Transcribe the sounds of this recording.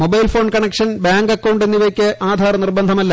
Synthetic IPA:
mobɐjlfo̞ːnkɐɳekʂɐnbaːŋɡɐkːowɳɖenːiʋɐkʲːɨʔaːd̪ʱaːɾɐnirbɐnd̪ʱɐmɐlːɐ

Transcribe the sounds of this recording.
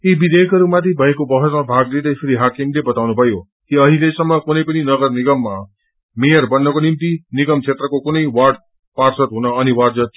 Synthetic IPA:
ibid̪ekʌɾumat̪ʰibʱʌekobʌɦʌsmabʱaɡleɾʌjsʰeɾiɦakiŋlebʌt̪awnubʱʌjo | kiʌɦĩlesʌŋːʌkunʌjpʌninʌɡʌrniɡʌmːa | mejʌrbʌnːʌkonimt̪iniɡʌmt͡sʰet̪rʌkokunʌjwarɖ | parsʌt̪ɦunʌːniwaɽd͡zʌt̪

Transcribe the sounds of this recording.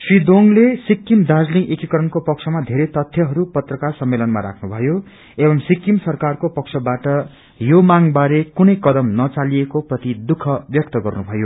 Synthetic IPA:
srid̪oŋlesikːimd̪ad͡zliŋʔekikʌɾʌnkopʌksʰʌmad̪ʱeɾet̪ʌt̪ʰjʌɦʌɾupʌt̪rʌkarsʌmːelʌnma̰ɾa̰kʰnubʱʌjo | ebʌmsikːimsʌrkarkopʌk̚sʰʌbaʈʌ | jomaŋbaɾekunʌjkʌd̪ʌmnʌt͡saliekoprʌt̪id̪ukʰʌbjʌk̚t̪ʌɡʌrnubʱʌjo

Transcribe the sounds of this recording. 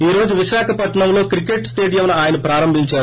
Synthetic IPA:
iːɾo̞ːd͡ʒuʋiʃaːkʰɐpɐʈːɐɳɐmlo̞ːkɾike̞ʈsʈe̞ːɖijɐmnɐaːjɐnɐpɾaːɾɐmbʱiɲt͡ʃaːɾu

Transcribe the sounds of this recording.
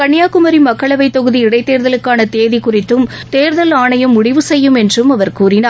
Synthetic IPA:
kɐɳːɪjaːkɯmɐɾimɐkːɐɭɐʋɐɪt̪ːɔɣɯðiɪɽɐɪt̪ːeːɾðɐlɯkːaːnɐt̪eːðikʊrɪt̪ːɯm | t̪eːɾðɐlaːɳɐjɐmːʊɽɪʋɯsɛjːɯmɛndrɯmɐʋɐɾkuːɾɪnaː

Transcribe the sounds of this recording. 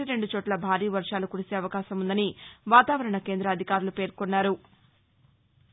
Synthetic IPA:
iɾe̞ɳɖut͡ʃoːʈlɐbʱaːɾiːʋɐɾʂaːlukuɽise̞ːɐʋɐkaːʃɐmund̪ɐniʋaːt̪aːʋɐɾɐɳɐke̞ːnd̪ɾɐːd̪ʱikaːɾulupe̞ːɾkonːaːɾu

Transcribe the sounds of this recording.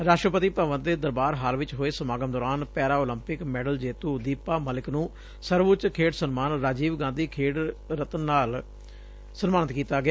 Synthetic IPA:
ɾaːʃʈɾəpət̪iːpaːʋənd̪eːd̪əɾbaːɾɦaːlʋɪt͡ʃɦoːeːsəmaːɡəmd̪ɔːɾaːnpɛːɾaːoːləmpɪkmɛːɖəld͡ʒeːt̪uːd̪iːpːaːməlɪknũː | səɾʋʊt͡ʃkʰeːɽsənmaːnɾaːd͡ʒiːʋɡãːnd̪iːkʰeːɖɾət̪ənːaːl | sənmaːnət̪kiːt̪aːɡɪaː

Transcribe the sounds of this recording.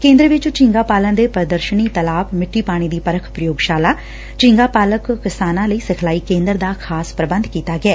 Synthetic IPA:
kẽːnd̪ɾəʋɪt͡ʃt͡ʃɪ̃ŋɡaːpaːlə̃nd̪eːpɾəd̪əɾʃəniːt̪əlaːpmɪʈʰːiːpaːɽ̃iːd̪iːpəɾəkʰpɾəjoːɡʃaːlaː | t͡ʃɪ̃ŋɡaːpaːləkːɪsaːnãːləiːsɪkʰlaːiːkẽːnd̪əɾd̪aːkʰaːspɾəbə̃nd̪kiːt̪aːɡɪɛː

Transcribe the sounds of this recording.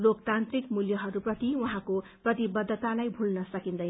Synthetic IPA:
lokt̪ant̪rikmuljʌɦʌɾuprʌt̪iwuɦãkoprʌt̪ibʌd̪ʱːʌt̪alajbʱulnʌsʌkind̪ʌj

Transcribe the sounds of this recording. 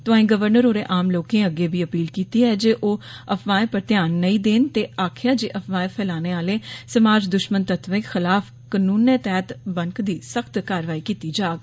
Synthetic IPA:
t̪ʊãːĩːɡəʋəɾnəɾoːɾeːʔaːmloːkẽːəɡeːbʱiːəpiːlkiːt̪iːɛːd͡ʒeːʔoːəpʋaːẽːpəɾt̪jaːnːəĩːd̪eːnt̪eːaːkʰjaːd͡ʒeːʔəpʋaːẽpʰɛːlaːneːaːleːsəmaːd͡ʒd̪ʊʃmənt̪ət̪ʋẽːxɪlaːfʰ | kənuːnɛːt̪ɛːt̪bəŋkd̪iːsəkʰt̪kaːɾʋaːiːkiːt̪iːd͡ʒaːɡ

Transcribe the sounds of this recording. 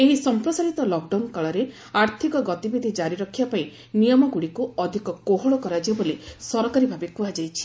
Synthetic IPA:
eɦisɔmpɾɔsaɾit̪ɔlɔk̚ɖawnkaɭɔɾe | aɾt̪ʰikɔɡɔt̪ibid̪ʱid͡ʒaɾiɾɔkʰːiapaĩ | nijɔmɔɡuɽikuɔd̪ʱikɔkoɦɔɭɔkɔɾad͡ʒebolisɔɾɔkaɾibʱabekuad͡ʒajt͡ʃʰi̥

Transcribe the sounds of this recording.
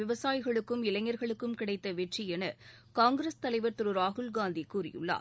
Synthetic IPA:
ɪʋɐsaːjɣɐɭɯkːɯmɪlɐɪŋːɐɾɣɐɭɯkːɯmkɪɽɐɪt̪ːɐʋɛʈriɛnɐ | kaːŋɡɪɾest̪ɐlɐɪʋɐɾt̪ʊɾɯɾaːɣɯlɡaːnd̪ikuːrɪ̰jɯ̰ɭːa̰ː

